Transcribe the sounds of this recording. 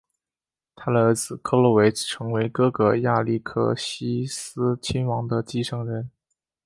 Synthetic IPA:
t̪ʰa˥d̪ə˨˩ə˞˧˥t͡sɹ̩˨˩kʰɤ˥lɔ˥we˧˥ɪ˩ʈ͡ʂʰɤ˧˥ŋwe˧˥ɪkɤ˥ɡə˧˩ja˥˩li˥˧kʰɤ̰˥˩ɕi˥sɹ̩˥t͡ɕʰi˥nwɑ˧˥ŋd̪ə˧t͡ɕi˥ʂɤ˥˩ŋɻə˧˥n

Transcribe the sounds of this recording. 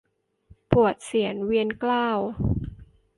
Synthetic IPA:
pu˨˩ət̪̚si˩˦ənwi˧ənklaː˥˩w

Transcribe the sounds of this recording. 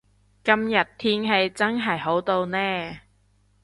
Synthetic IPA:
kɐ˧mjɐ˨˩t̚t̪ʰiː˥ŋɦe˧jt͡sɐ˥nɦɐ˨˩jɦo˨˥wt̪o˧wnɛː˥

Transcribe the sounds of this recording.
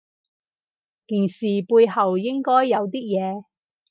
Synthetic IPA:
kiː˨˩nsiː˨puː˧jɦɐ˨wjɪ˥ŋkɔː˥jːɐ˨˧wt̪iː˥k̚jɛː˨˧

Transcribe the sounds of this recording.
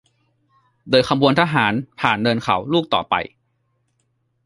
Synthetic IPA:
doː˧jkʰa˧mwu˧ənt̪ʰaː˧ɦaː˩˦npʰaː˨˩nːɤː˧nkʰa˩˦wluː˥˩k̚t̪ɔ̰ː˨˩pa̰˧j

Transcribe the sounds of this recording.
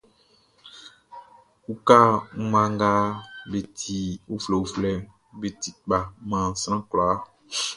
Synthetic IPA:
u˦ka˦ŋ̩˦mã˦ŋɡa˦be˨tʰi˨u˦flɛ˨u˨flɛ˦ | be˨ti˨k͡pa˨mã˨n̩˨sɾã˦klaː˨˦

